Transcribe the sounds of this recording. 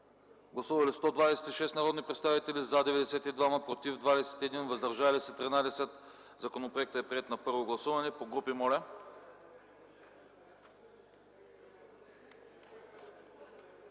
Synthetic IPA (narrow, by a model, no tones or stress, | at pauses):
ɡlˠɐsuvɐlist̪ɔd̪vad̪ɛsɛ̥t̪iʃɛst̪nɐɾɔd̪nipɾɛt̪st̪avit̪ɛlizad̪ɛvɛd̪ɛsɛt̪id̪vaməpɾot̪ivd̪vad̪ɛsɛ̥t̪iɛd̪invəzd̪ɐɾʒalisɛt̪ɾinad̪ɛsɛt̪ | zɐkonopɾoɛk̚t̪əɛpɾiɛt̪nɐpɤɾvoɡlˠɐsuvɐnɛpoɡɾupimɔlʲɛ